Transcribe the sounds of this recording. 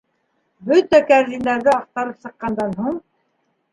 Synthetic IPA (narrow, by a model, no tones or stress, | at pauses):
bɵt̪ækæɾd̪ind̪ɑɾðɘɑq̚t̪ɑɾɤpsɤ̆qːɑnd̪ɑnɦuɴ